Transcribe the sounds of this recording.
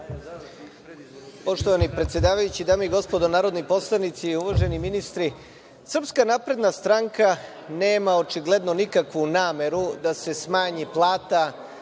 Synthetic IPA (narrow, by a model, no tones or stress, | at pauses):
po̞ʃt̪oʋanipɾet̪sjed̪aːʋajut͡ɕid̪aːmeiɡo̞spo̞d̪onaːɾo̞d̪nipo̞slˠanit̪siuʋaʒe̞niminist̪ɾi | sr̩pskanapɾe̞d̪nast̪ɾaŋka | neːmao̞t͡ʃiɡle̞d̪no̞nikakʋunaːme̞ɾud̪ase̞smaːɲiplˠaːt̪a